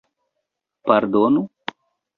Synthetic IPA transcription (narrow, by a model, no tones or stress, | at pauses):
paɾd̪onu